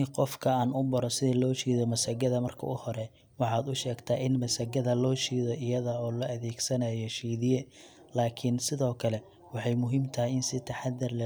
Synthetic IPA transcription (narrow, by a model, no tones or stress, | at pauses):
qɔfkʰɐaːnʊbɐɾɔsɪðɐlɔːt͡ʃiːðɔmɐsɐɡɐðɐmɐrkʰɐ̰ʊhɔɾɛ | wɑħɑːd̪ʊʃɛːɡt̪ʰaːʔɪnmɐsɐɡɐðɐlɔːʃiːðɔʔɪjɐðɐɔːlɐʔɐðɛːɡsɐnɐjɔʃiːðɪjɛ | laːkʰɪnsɪðɔːkʰɐlɛ | wɑħɑjmʊɦiːmt̪ʰɐɦɪɪnsɪt̪ʰɐħɑd̪ɪrlɐ